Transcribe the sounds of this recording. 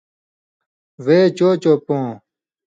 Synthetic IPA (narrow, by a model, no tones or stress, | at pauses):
ʋeːt͡ɕoːt͡ɕoːpõː